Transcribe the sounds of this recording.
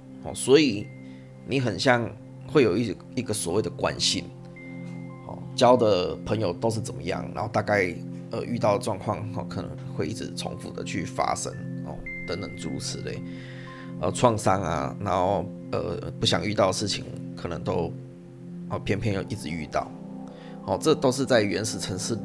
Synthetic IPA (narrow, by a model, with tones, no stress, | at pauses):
xɔ̰˨˩swɔ˧˥i˨˩ | ni˨˥xə˨˩nɕjɑ˥˧ŋ | xwe˥˩ɪjo˨˩ʊi˥˧ | i˧ɡə˨swɔ˨˦we˥˩ɪd̪ə˩kwa̰˦nɕḭ˧˥n | hɔ̰˨˩t͡ɕjɑ˦˥ʊd̪ə˨pʰə˧˦˥ŋjo˨ʊt̪o˥ʊʂ̬ɻ̩˥˩t͡sə˨˩mə̰˦jɑ̰˥˩ŋna̰˨˦nxo˥˧ʊt̪a˥˧ka˥˧ɪʔə̰˨˩ʔy˥˧t̪ɑ˥˩ʊd̪ə˩ʈ͡ʂwɑ˥˧ŋkʰwɑ˥˩ŋhɔ̰˨˩kʰə˨˩nə̰˧˦ŋwe˥˧ɪʔi˥˩t͡sɻ̩˨˩t͡sʰo̰˧˦˥ŋfṵ˨˩d̪ə̰˨t͡ɕʰy˥˩fa̰˥ʂə̰˦ŋhɔ̰˨˩ | t̪ə˧˦ŋt̪ə˨˩ŋʈ͡ʂu˧˥s̩ʰ˨˩˦lḛ˨˩ɪ | ə̰˧˩t͡sʰwɑ˥˩ŋsɑ˥ŋa̰˨na˧˦nho˥˧ʊ | ə̰˨˩pu˥˩ɕjɑ˨˩ŋy˥˧t̪ɑ˥˩ʊd̪ə˩ʂɻ̩˥˩t͡ɕʰḭ˨˩ŋkʰɤ˨˩nə˧˦ŋt̪o˥ʊ | ə˨˩pʰjɛ˥npʰjɛ˥˧njo˥˧˩ʔi˥˩t͡sɻ̩˨˩y̰˥˧t̪ɑ̰˥˩ʊ | hɔ˨˩ʈ͡ʂɤ˥t̪o˥ʊʂɻ̩˥˧t͡sa˥˩ɪɥɛ˧˥nʂɻ̩˨˩t͡sʰə˧˥ŋʂɻ̩˥˨